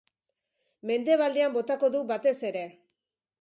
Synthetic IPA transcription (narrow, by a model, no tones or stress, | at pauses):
me̞nd̪e̞βald̪eambo̞t̪ako̞ðubat̪e̞se̞ɾe̞